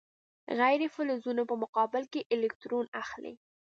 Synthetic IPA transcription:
ɣajɾefʊlozunopəmʊqɑbɪlkeʔɪlɪk̚t̪ɾonaxlḛ

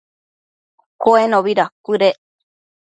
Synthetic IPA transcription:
koenõβiɾakuɾeʔ

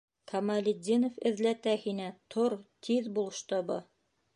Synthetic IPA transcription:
kʰɐmalʲɪd̪ʲːinofɘ̆ðlæt̪æhinæt̪ʰoɾt̪ʰiðbulˠɤ̆ʃt̪ɤbɤ

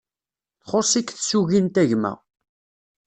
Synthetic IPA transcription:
θχosˤikθsuʝint̪æʝmæ̰

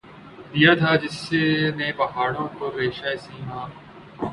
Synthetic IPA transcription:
d̪ijaːt̪ʰaːd͡ʒɪseneːbɐɦaːɽõːkoɾeːʃaːesĩːmãː

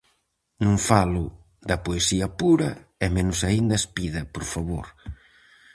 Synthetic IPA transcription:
nũŋfalʊ | d̪ɐpoesiɐpuɾɐɛmenʊsaind̪ɐespiðɐpoɾfaβoɾ

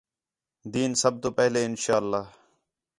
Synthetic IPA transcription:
d̪iːnsəb̚t̪oːpɛɦleːɪnʃaːəlːaːɦ

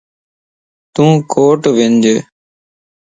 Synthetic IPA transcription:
t̪ũːkʰoːʈʋɪnd͡ʒeː

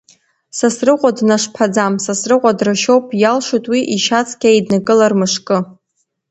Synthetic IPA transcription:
sasrɨqʷʼadnaʂpʰad͡zamsasrɨqʷʼadrɨʃowpʼjalʂotʼwiʔiʃat͡sʰʼkʲʼaidnakʼɨlarmɨʂkʼɨ

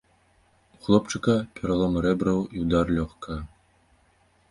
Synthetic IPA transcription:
uxlˠɔpt͡ʂɨkɐpʲɛɾalˠɔmɾɛbɾɐwiwd̪arlʲɔxkɐ

